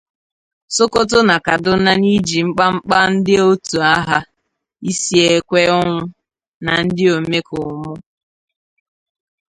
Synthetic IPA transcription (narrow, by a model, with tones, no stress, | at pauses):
so˦ko˦t̬ʊ˦na˨ka˨dʊ˦na˦ni˦d͡ʒi˨ŋ͡m̩˦k͡pa˦ŋ͡m̩˦k͡pa˦n̩˦dɪ˦o˦tu˨a˦ɦa˦ | i˦si˦e˦kʷe˦ɔ˦ŋʷʊ˦ | na˨n̩˦dɪ˦o˨me˦kʊ˨mʊ˦